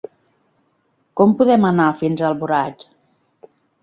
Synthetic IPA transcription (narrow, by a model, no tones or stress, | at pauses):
kɔmpuðɛmənafinzəlˠβuɾat͡ʃ